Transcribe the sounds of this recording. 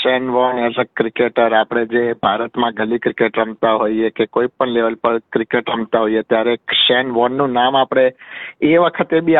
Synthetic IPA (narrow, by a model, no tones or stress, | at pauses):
ʃɛnʋɔnezəkːɾikeʈəɾapɽ̃ed͡ʒebʱaɾət̪mãɡʱəlikɾikeʈɾəmt̪aɦoiekekoipəɳleʋəlpəɾkɾikeʈɾəmt̪aɦoijet̪jaɾeʃenʋɔnːũnamapɽ̃eeʋəkʰət̪ebi